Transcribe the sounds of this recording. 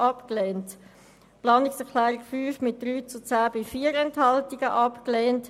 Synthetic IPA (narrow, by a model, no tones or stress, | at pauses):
ɑpklɛːnt | plɑːnɪksɛʁkʰlæːɾɪɡfyːfmɪt̚d̥ɾyːt͡sut͡sæːbɪfiːəɾɛnthɑltiɡ̥əʔɑpklɛːnt